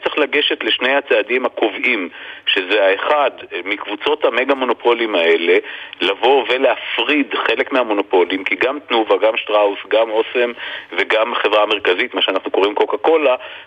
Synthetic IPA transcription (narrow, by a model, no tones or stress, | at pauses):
t͡seχlaɡe̞ʃe̞t̪le̞ʃne̞jhat͡seadimako̞vimʃe̞zeaeχad̪mikvut͡so̞thame̞ɡamo̞no̞pʰo̞limae̞le̞lavo̞ve̞leafʁidχe̞le̞kmeamo̞nopo̞limkiɡamt̪nuvaɡamʃtʁausɡamosemve̞ɡamaχevʁaːme̞ʁkazit̪maʃeanaχnuko̞ʁimkokako̞la